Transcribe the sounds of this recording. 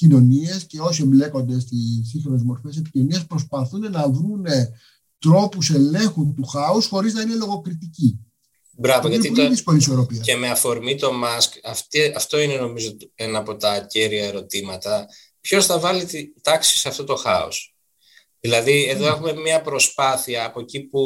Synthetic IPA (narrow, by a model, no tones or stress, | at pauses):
cino̞nie̞sce̞o̞s̬iemble̞ko̞nd̪e̞st̪isĩŋxɾo̞nezmo̞ɾfe̞sepicino̞nie̞spɾo̞spɐθune̞nɐvɾune̞ | t̪ɾo̞puse̞le̞ŋxut̪uxɐusxo̞ɾiznɐine̞lo̞ɣo̞kɾit̪ici | bɾɐvoʝɐiipoliðiskoliso̞ɾo̞piɐe̞me̞ɐfo̞ɾmit̪o̞mɐskɐft̪iɐft̪o̞ine̞no̞mizo̞enɐːpo̞t̪ɐceɾiɐeɾo̞t̪imɐt̪ɐ | pço̞sθɐvɐlit̪it̪ɐksi̥seɐft̪o̞t̪o̞xɐ̰o̰s | ðilɐðie̞ðo̞e̞xume̞mɲɐpɾo̞spɐθiɐːpocipu